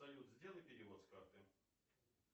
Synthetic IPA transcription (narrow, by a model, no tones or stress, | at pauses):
ɐlʲut̪zʲdʲelˠɨpʲɪɾʲɪvot̪skart̪ɨ